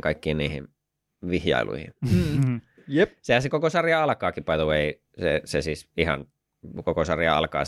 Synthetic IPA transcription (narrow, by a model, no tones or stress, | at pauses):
kɑikːiːniːhḭn | ʋihjɑ̰ilʔṵihḭn | jesehænsekokosɑrjɑɑlkɑːkipɑˑit̪oʋeˑi | sḛsesiːsihɑ̰n | kokosɑrjɑ̰ɑ̰lkɑ̰ː